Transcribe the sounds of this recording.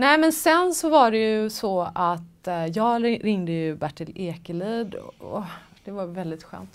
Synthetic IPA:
nɛːmɛnsɛnsɔvaɖɛjɵsɔat̪jɑːɡɾɪŋd̪əjɵbæʈʰːɪleːkəliːd̪ɔ̰d̪̥ɛvaɾvɛld̪ɪt̪ɧø̰ːnt̪

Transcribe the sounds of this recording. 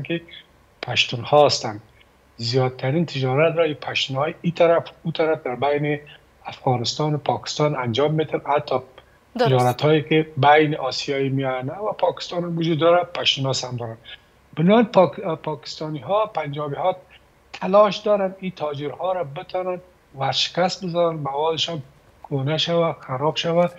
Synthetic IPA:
nkɪ | pʰaʃt̪unhɔst̪an | zijɒd̪̚t̪ʰːaɾint̪ʰɪd͡ʒɒɾat̪ɾɔipʰaʃt̪unhɔjit̪ʰaɾafut̪ʰaɾafd̪aɾbajnɪ | afɣɑnɪst̪ɑnʊpʰɔkɪ̥st̪ɑnand͡ʒɔmːet̪ʰanhat̪ʰːɒ | t̪ɪd͡ʒɔɾat̪hɔekebajnɪʔɔsijɑjimijɔnawapʰɔkɪ̥st̪ɑnamwʊd͡ʒud̪ːɔɾapaʃɪnɔshamd̪ɔɾan | b̥ɪnoanppʰɔkɪ̥st̪ɔniɦɔpand͡ʒɔbihɔ | t̪ʰalɔʃd̪ɔɾanit̪ʰɔd͡ʒɪɾhɔɾabɪt̪ʰɔnan | waɾʃɪ̥kasbɪzɔnanmawɔd̪ɪʃɔn | kʰonaʃawaxaɾɔbʃawa

